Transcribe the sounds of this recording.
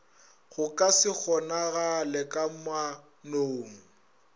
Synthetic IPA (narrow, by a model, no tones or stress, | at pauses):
ɣʊkʼasɪk͡xʰɔnaɣalɛkʼama | noːŋ̩